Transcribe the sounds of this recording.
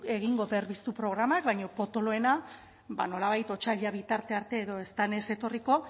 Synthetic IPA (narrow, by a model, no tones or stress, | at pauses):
e̞ɣ̞iŋɡo̞βe̞ɾβist̪upɾo̞ɣ̞ɾamakβajɲo̞po̞t̪o̞lo̞e̞na | ba̰no̞laβ̞ajt̪o̞t͡ʃaʎaβit̪aɾt̪e̞aɾt̪e̞ːðo̞e̞st̪ane̞se̞t̪o̞riko̞